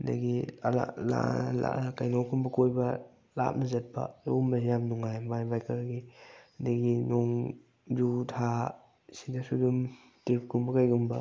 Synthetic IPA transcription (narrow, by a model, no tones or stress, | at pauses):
ndɐ̰ɡḭla̰la̰la̰kajnowkʰumbɐkojbɐ | la̰p̚nɐzɐt̚pɐ̰ṵmbɐsjamnuŋajbajbajkʰaɾɡindaɡinoŋ | zutʰa | sidɐsudum | tip̚kumbɐkajɡumbɐ